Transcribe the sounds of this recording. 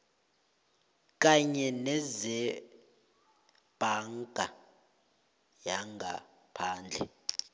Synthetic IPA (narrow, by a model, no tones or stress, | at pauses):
k̬ʼaɲɛnɛzɛ | b̥ʱaŋɡʱa | jaŋɡʱa̰ | pʰaːnd͡ɮʱɛ̰